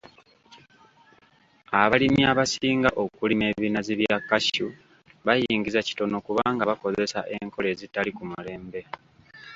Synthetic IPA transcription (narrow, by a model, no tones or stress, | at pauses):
aβalimiaβasiːŋɡaʔo̞kulime̞ːβiːnaziβjakːaʃu | βajiːŋɡizaci̥to̞no̞kuβaːŋɡaβako̞ze̞sa̰ʔe̞ŋko̞le̞ːzitːalikumule̞ːmbe̞